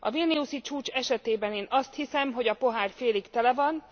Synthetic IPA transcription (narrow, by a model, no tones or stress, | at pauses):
ʔɒ̰vilniusit͡ʃuːt͡ʃɛʃɛt̪eːbɛneːnɒst̪hisɛmɦo̞ɟɒpo̞ɦaːrfeːlikt̪ɛlɛvɒn